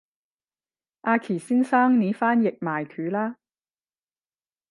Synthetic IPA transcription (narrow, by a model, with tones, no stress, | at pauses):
ʔaː˧kʰiː˨˩siː˥nsaː˥ŋniː˨˧˥faː˥njɪ˨k̚maː˨jkʰyː˨˧˥laː˥